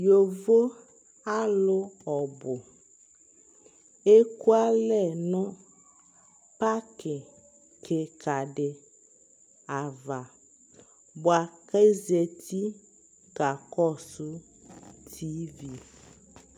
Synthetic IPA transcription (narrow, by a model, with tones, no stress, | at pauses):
jo˨vo˦ | a˦lo˦ɔ˨bʊ˨ | e˦ku˦a˦lɛ˨nɔ̃˦ | pa˦kʰe˨ | kʰe˨kʰa˨ɖe˨ | a˨va˨ | bo˨a˨ke˦ze˨t̪ʰi˦ | ɡa˨kɔ˦su˦ | t̪ʰi˦vi˦